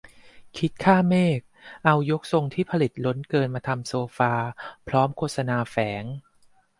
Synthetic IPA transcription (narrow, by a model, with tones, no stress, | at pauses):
kʰi˦˥t̪̚kʰaː˥˩meː˥˩k̚ʔa˧wjo˦˥k̚so˧ŋt̪ʰiː˥˩pʰa˧li˨˩t̪̚lo˦˥nkɤː˧nmaː˧t̪ʰa˧msoː˧faː˧pʰɾɔː˦˥mkʰoː˥˩t̪̚sa˧naː˧fɛː˩˦ŋ